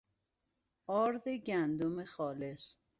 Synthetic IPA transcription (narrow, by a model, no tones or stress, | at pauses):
ɒːɾd̪eɟænd̪omexɒːle̞s